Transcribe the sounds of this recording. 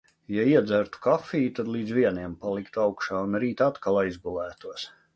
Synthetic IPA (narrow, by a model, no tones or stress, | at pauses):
jaiɛd̪zæɾt̪u̥kafiːt̪ad̪lˠiːd̪zviɛniɛmpalˠikt̪awkʃaːunɾiːt̪at̪kalˠajzɡulˠæːt̪uɔs